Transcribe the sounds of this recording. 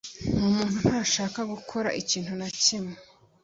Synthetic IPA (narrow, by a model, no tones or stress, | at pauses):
n̥uːmuːn̥hunhaɾaʃaːkaɡukʰo̞ɾa̰ʔiciːn̥hunacime̥